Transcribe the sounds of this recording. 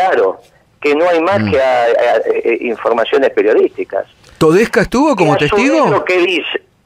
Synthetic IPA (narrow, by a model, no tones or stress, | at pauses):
klaɾo̰ | keno̞ajmaskeaaeiɱfoɾmasjo̞nespeɾjo̞ðist̪ika̰s | t̪oðehkaest̪uβok̬o̞mot̪est̪iɣolokeðise